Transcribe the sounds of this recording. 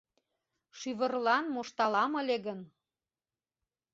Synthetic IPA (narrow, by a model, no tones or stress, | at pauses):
ʃyβə̆rlɑnmoʃt̪ɑlɑmə̆lʲeɣən